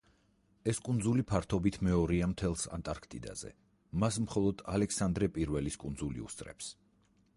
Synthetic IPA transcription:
ɛskʼund̪zulipʰaɾt̪ʰɔbit̪ʰmɛɔɾiamt̪ʰɛlˠsa̰nt̪ʼaɾkʰt̪ʼḭd̪a̰zɛ̰ | masmχɔlˠɔd̪̥alɛkʰsand̪ɾɛpʼiɾvɛliskʼund̪zulḭṵst̪ʼɾɛ̰ps

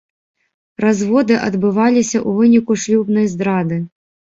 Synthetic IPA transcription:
rɐzʋɔd̪ɪʔɐd̪bɪʋɑlʲɪsʲɐʔuʋɪnʲikʊʃlʲubnɔjzd̪ɾɑd̪ɪ

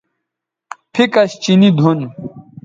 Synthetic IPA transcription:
pʰikɐɕt͡ɕinid̪ʱun

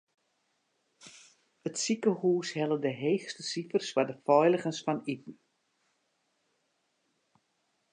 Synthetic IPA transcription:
ətsikəhuːshɛlˠədəɦeːxstəsifərswadəfɔjlˠəɣənsfɔnitn̩

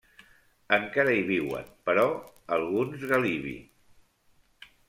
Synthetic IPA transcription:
əŋkaɾəiβ̞iwə̰npəɾɔəlˠɣunzɣəliβḭ

